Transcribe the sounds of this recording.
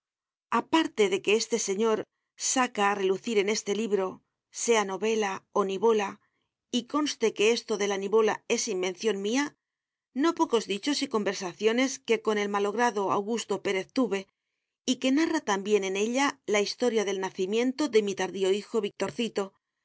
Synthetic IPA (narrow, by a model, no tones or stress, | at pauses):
apaɾt̪e̞ðe̞ke̞est̪e̞se̞ɲo̞ɾ | sakaːre̞luθiɾe̞ne̞st̪e̞liβɾo̞ | se̞ano̞βe̞lao̞niβo̞la | iko̞nst̪e̞ke̞est̪o̞ðe̞laniβo̞lae̞simbe̞n̟θjo̞nmia | no̞po̞ko̞zðit͡ʃo̞siko̞mbe̞ɾsaθjo̞ne̞ske̞ko̞ne̞lmalo̞ɣ̞ɾaðo̞a̰wɣust̪o̞pe̞ɾe̞θt̪uβe̞ | ike̞narat̪ambje̞ne̞ne̞ʎalaist̪o̞ɾjaðe̞lnaθimjẽ̞nt̪o̞ðe̞mit̪aɾðio̞ixo̞βik̚t̪o̞ɾθit̪o̞